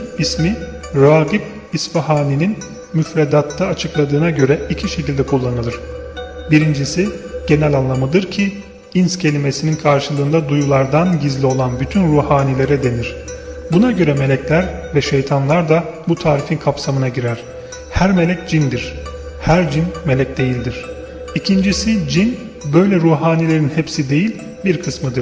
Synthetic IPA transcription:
ismiɾoaːɡip̚ | isfaɦaːninin | myfɾed̪at̪ʰːaːt͡ʃʰɯklˠad̪ɯːnaɟø̞ɾɛicʰiʃe̞cilʲd̪ɛkʰulˠːanɯlˠɯɾ̥biɾind͡ʒisiɟ̥e̞nɛlʲanlˠamɯd̪ɯɾcʰi | inscʰe̞lʲime̞sininkʰaɾʃɯlˠɯːnd̪ad̪ujulˠaɾd̪anɟizlʲio̞lˠanbyt̪ʰynɾuːhaːnilʲe̞ɾɛd̪e̞niɾ̥ | bunaɟø̞ɾɛme̞lʲɛclʲæɾvɛʃe̞jt̪ʰanlˠaɾd̪abut̪ʰaːɾifinkʰapsamɯnaɟiɾæɾ̥ | hæɾme̞lʲɛc̚d͡ʒind̪iɾ̥ | hæɾd͡ʒinme̞lʲɛc̚d̪e̞jilʲd̪iɾ̝̥ | icʰind͡ʒisid͡ʒin | bø̞jlʲɛɾuːɦaːnilʲe̞ɾinhepsid̪e̞jilʲ | biɾkʰɯsmɯd̪ɯɾ̥

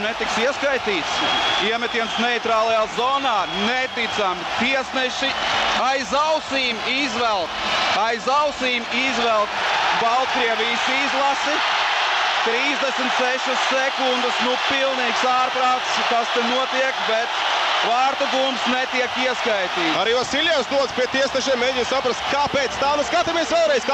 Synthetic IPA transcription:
net̪iksiɛskajt̪iːt̪siɛmɛt̪iɛnt̪snɛjt̪ɾaːlˠajaːzɔːnaːnɛt̪it̪samit̪iɛsnɛʃiajzawsiːmizʋɛlˠt̪ajzawsiːmizʋɛlˠk̪balˠt̪kɾiɛvʲijsizlˠasi | t̪ɾiːzd̪ɛsmt̪ʲseʃasːekund̪əsnupilˠniːksaːɾpɾaːt̪skast̪ɛnuɔt̪iɛkbɛt̪vaːɾt̪uɡuːmpsnɛt̪iɛkiɛskajt̪iːt̪aɾiːvasilʲjansd̪uɔd̪spiɛt̪iɛsnɛʃɛmːɛːɲʲisapɾast̪kaːpeːt̪st̪aːnɛskat̪amiɛsʋɛːlˠɾɛjz̥k

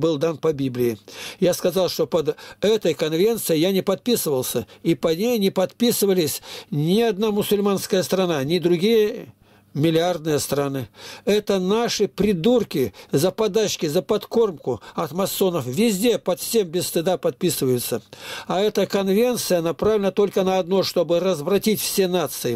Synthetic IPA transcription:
bɨlˠd̪anpɐbʲiblʲɪɪjaskɐzɑlˠʂt̪o̞pɐd̪ɛt̪əjkɐnvʲe̞nt̪sɨjɪjanʲɪpɐt̪̚pʲisɨvəlˠsʲəipɐnʲejnʲɪpɐt̪pʲisɨvəlʲɪsʲnʲɪɐd̪namʊsʊlʲmanskəjəst̪ɾɐnanʲɪd̪ɾʊɡʲijə | mʲɪlʲɪard̪nɨjəst̪ɾanɨɛt̪ənaʂɨpɾʲɪd̪urkʲɪzəpɐd̪aɕkʲɪzəpɐt̪ko̞rmkʊɐt̪mɐsːo̞nəfvʲɪzʲdʲe̞pɐt̪fsʲe̞mbʲɪst̪ɨd̪apɐt̪̚pʲisɨvəjʊt̪sːəɐɛt̪əkɐnvʲe̞nt̪sɨjənɐpɾavʲlʲɪnət̪o̞lʲkənɐɐd̪noʂt̪o̞bɨrəzvɾɐtʲitʲfsʲe̞nat̪sɨɪ

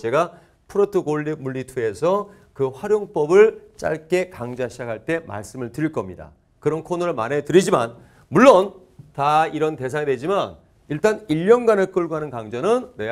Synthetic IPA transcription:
t͡ɕe̞ɡa | pʰɯɾotʰɯɡoʎːimuɭːitʰue̞sʰʌ | kɯɸwaɾjoŋp͈ʌbɯɭt͡ɕ͈a̰ɭk͈e̞kaŋd͡ʑaɕʰid͡ʑakʰaɭt͈e̞ma̰ɭs͈ɯmɯɭtɯɾiɭk͈ʌmɲida̰ | kɯɾʌnkʰonɯɾɯɭma̰ne̞tɯɾid͡ʑima̰n | muɭːʌn | taiɾʌnte̞s̬ʰaedwe̞d͡ʑiman | iɭt͈aniʎːʌnɡanek͈ɯɭɡoɦanɯnkaŋd͡ʑʌnɯnne̞

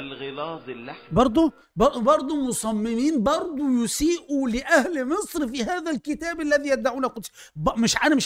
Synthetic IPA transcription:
lɣɪlɑːzˤlːabɑɾˤd̪ˤu | bɑbɑɾˤd̪ˤʊmʊsˤɑmːɪmiːnbɑɾˤd̪ˤʊjʊsiːʔulɪʔæhlmɪsˤɾfiɦæːðælkɪt̪æːbalːæðiːjæt̪d̪aʕuːnæqʊt̪ˤs | bmɪʃʕænæmɪʃ

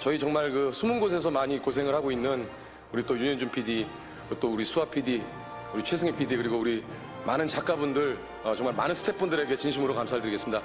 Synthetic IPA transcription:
t͡ɕʌit͡ɕʌŋmaɭkɯsʰumunɡos̬ʰe̞sʰʌmaɲikosʰe̞ŋɯɭhaɡoinːɯn | uɾit͈ojuɲʌnd͡ʑumpʰidi | ot͈ouɾisʰuapʰidi | uɾit͡ɕʰwe̞sʰɯŋepʰidikɯɾiɡouɾi | manɯnt͡ɕak͈abundɯɭ | ʌt͡ɕʌŋmaɭmanɯnsʰɯ̥tʰe̞p͈undɯɾe̞ɡe̞t͡ɕinɕʰimɯɾokamsʰaɦaɭdɯɾiɡes͈ɯmɲida

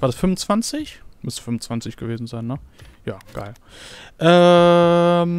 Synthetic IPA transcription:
v̥aːɐdasfʏmʊnt͡sv̥ant͡sɪçmʏstfʏmʊnt͡sv̥ant͡sɪçɡ̥əveːzn̩zaɪnːəjaːɡ̥a̰ɪl | ʔɛː | m

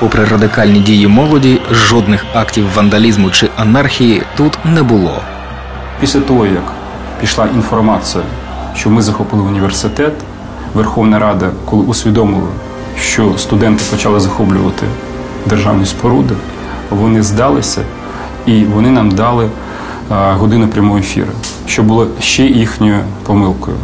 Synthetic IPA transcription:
pɔpɾɪrɐd̪ɪkɑlʲnʲidʲijimɔlˠɔdʲiʒɔd̪nɪxɑktʲiwʋɐnd̪ɐlʲizmʊt͡ʃɪʔɐnɑrxʲijit̪ut̪nɛbʊlˠɔ̰ | pʲisʲlʲɐt̪ɔɦɔjɐk | pʲiʃlˠɑʔinfɔrmɑt͡s̪ɨjɐ̰ | ʃt͡ʃɔmɪzɐxɔpɪlˠɪʊnʲiʋʲersɪt̪ɛt̪ | ʋerxɔwnɐɾɑd̪ɐkɔlˠɪʊsʲʋʲid̪ɔmɪlˠɐ̰ | ʃt͡ʃɔst̪ʊd̪ɛnt̪ɪpɔt͡ʃɑlˠɪzɐxɔblʲʊ̰ʋɐt̪ɪ̰ | d̪erʒɑ̰wnʲispɔɾud̪ɪ | ʋɔnɪzd̪ɑlˠɪsʲɐ̰ | iʋɔnɪnɑmd̪ɑlˠɪ | ɦɔd̪ɪnɐpɾʲɐmɔɦɔefʲḭɾɐ̰ | ʃt͡ʃɔbʊlˠɔʃt͡ʃɛjixnʲɔjʊpɔmɪlˠkɔjʊ̰

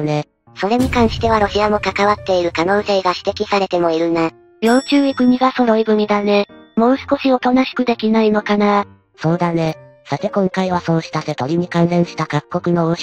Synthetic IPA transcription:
ne | so̞ɾe̞ɲ̟ikãɰ̃ɕi̥t̪e̞β̞aɾo̞ɕiamo̞kakaβat̪ːe̞iɾɯ̟kano̞ːse̞ːɡaɕi̥t̪e̞kʲisaɾe̞t̪e̞mo̞iɾɯ̟na | jo̞ːt͡ɕɨːikɯ̟ɲ̟iɡaso̞ɾo̞ibɯ̟ɲ̟id̪ane̞mo̞ːsɨ̥ko̞ɕio̞t̪o̞naɕi̥kɯ̟d̪e̞kʲinaino̞kana | so̞ːd̪ane | sat̪e̞kõ̞ŋkaiβaso̞ːɕi̥t̪ase̞t̪o̞ɾʲiɲ̟ikãñsẽ̞ɰ̃ɕi̥t̪akakkːo̞kɯ̟no̞oɕ

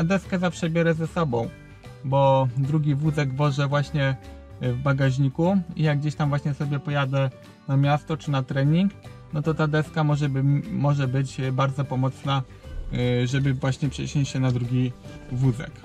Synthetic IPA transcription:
ad̪ɛskɛzafʂɛbʲjɛɾɛzɛsɔbɔ̃w̃ | bɔd̪ɾuɡʲivuzɛɡvɔʐɛvwaɕɲɛ | vbaɡaʑɲikuijaɡɡd͡ʑeɕt̪amvwaɕɲɛsɔbʲjɛpɔjad̪ɛ | namʲjast̪ɔt͡ʂɘnat̪ɾɛɲiŋknɔt̪ɔt̪ad̪ɛskamɔʐɛbmɔʐɛbɘt͡ɕbaɾd̪zɔpɔmɔt̪sna | ʐɛbɘvwaɕɲɛpʂɛ̰ɕɔ̃t͡ɕɕɛnad̪ɾuɡʲivuzɛ̰k

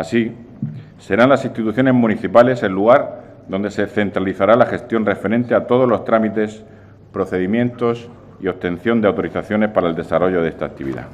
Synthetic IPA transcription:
asi | se̞ɾanlasinst̪it̪uθjo̞ne̞zmũniθipale̞senlːuɣ̞aɾ | ðo̞nd̪e̞se̞θe̞nt̪ɾaliθaɾalaxe̞st̪jo̞nre̞fe̞ɾẽ̞nt̪e̞at̪o̞ð̞o̞zlo̞st̪ɾamit̪e̞s | pɾo̞θe̞ðimjẽ̞nt̪o̞s | io̞p̚t̪ẽ̞n̟θjo̞nd̪eawt̪o̞ɾiθaθjo̞ne̞spaɾae̞ld̪esaro̞ʝo̞ðe̞st̪a̰k̚t̪iβḭða̰

